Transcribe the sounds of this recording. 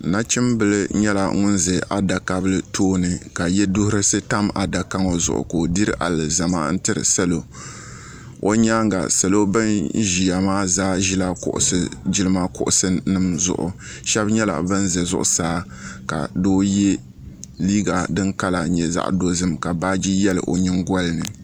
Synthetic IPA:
na˦t͡ʃɪ˦mbɨ˦lɨ˦ɲɛ˦la̰˨ŋʊ˦nzɛ˨ʔa˨da˨ka˦bɨ˦lɨ˦tʰoː˦nɨ˨ka˨jɛ˦dʊ˦hʊ˦ɾɨ˦sɨ˦ta˦ma̰˨da˨ka˦ŋo˨zʊ̰˨ʔʊ̰˨ko˨di˦ɾɨ˦ʔa̰˨lɨ˨za˨ma̰ː˦n̩˦tɨ˦ɾɨ̰˨sa˦lo˨ | o˦ɲa˦ŋɡa̰˨sa˨lo˦bɨ˦nʒi˨ja˨maː˦zaː˦ʒi˦la˦kʊ̰˨ʔʊ̰˨sɨ˨d͡ʒi˦lɨ˦ma˦kʊ˦ʔʊ˨sɨ˦nɨ˦mzʊ̰˨ʔʊ̰˨ | ʃɛ˦bɲɛ˦la̰˨bɨ˦nzɛ˨zʊ̰˦ʔʊ̰˨saː˦ | ka̰˨doː˦jɛ˦ | liː˦ɡa˨dɨ˦ŋka˦la˨ɲɛ˨za̰˦ʔdo˦zɨ˦mka˨ba˦d͡ʒi˦jɛ˦lɨ̰˨ʔo˨ɲɪ˦ŋɡɔ˦lɨ˦nɨ̰˨

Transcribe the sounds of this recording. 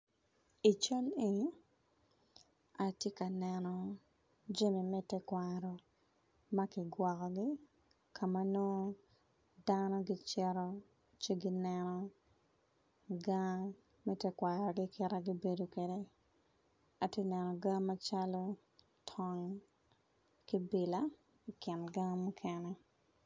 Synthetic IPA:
i˨t͡ʃa˦le˦ | a˨tje˦ka˨nɛ˨nɔ˨ | d͡ʒe˦mi˨mɛ˦tɛ˦kwa˨ɾɔ˨ | ma˦kɪ˨ɡwɔ˨kɔ˨ɡɪ˦ | kʰa˨ma˦no˦ | danɔ˦ɡɪ˦t͡ʃɛ˦ɾɔ˦ | t͡ʃe˦ɡɪ˦nɛ˨nɔ˨ | ɡa˦ | mɛ˦tɛ˦kwa˨ɾɔ˨ɡɪ˦kʰɪ˦ɾa˦ɡi˦be˨do˨kwe˨de˦ | a˨te˦nɛ˨nɔ˨ɡa˦ma˦t͡ʃa˦lo˦ | tʰɔ˨ŋ | ki˦bɪ˨la˦ | ikɪ˨nɡa˦mu˦kʰɛnɛ˦

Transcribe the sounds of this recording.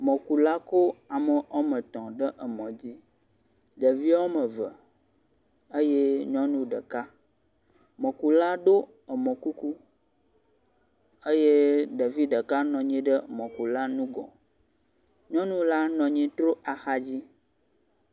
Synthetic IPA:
mɔ̃˨ku˨la˦ko˦a˨mə˨o˦mə̃˨t̪ɔ̃˨ɖə˦ʔə˨mɔ̃˨d͡ʑi˦ | ɖə˨vi˦a˦wo˦mə̃˨və˨ | ə˦je˦ɲɔ̃˦nũ˦ɖə˨ka˦ | mɔ̃˨ku˨la˦ɖo˦ | ə˨mɔ̃˨ku˦ku˦ | ə˦je˦ɖə˨vi˦ɖə˨ka˦nɔ̃˨ɲĩ˦ɖə˦mɔ̃˨ku˨la˦nũ˦ɡɔ̰̃˨ | ɲɔ̃˦nũ˦la˦nɔ̃˨ɲĩ˦t̪ɾo˦a˨xa˦d͡ʑi˦

